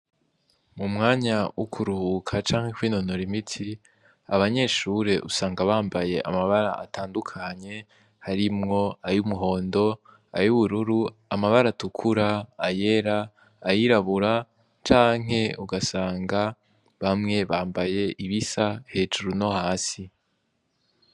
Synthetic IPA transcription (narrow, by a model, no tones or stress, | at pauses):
mumŋaːɲaukʰuɾuhuːkʰat͡ʃaːŋ̥he̞kwiːnonoɾimitʰi | a̰βaɲe̞ʃuɾe̞ʔusaːŋɡaβaːmbaje̞ʔa̰maβaɾaʔatʰaːndukʰaɲe̞ | haɾimŋo̞ajumuɦo̞ːndo̞ | a̰juβuɾuɾuamaβaɾatukʰuɾaːje̞ɾaː | jiɾaβuɾa | t͡ʃaːŋ̥e̞uɡasaːŋɡa | βamŋe̞βaːmbaje̞ʔiβisahe̞ːd͡ʒuɾuno̞haːsi